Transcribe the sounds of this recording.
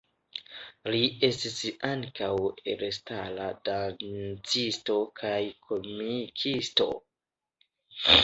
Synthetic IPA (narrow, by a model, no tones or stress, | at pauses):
liʔe̞stisaŋkawḛɾestaladant͡sisto̞kʰajkʰo̞mikʰisto̞̰